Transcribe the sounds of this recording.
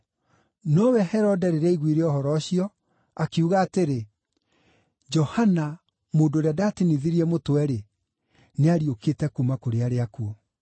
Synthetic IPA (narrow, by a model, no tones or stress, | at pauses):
nɔwɛhɛɾɔdɛɾeɾɛiɣwiɾeɔhɔɾɔːɕiɔ | akeuɣaːteɾe | d͡ʒɔhana | moːndoɾeadaːteniðiɾiɛmotwɛɾe | neaɾioketɛkumakoɾeaɾeakuo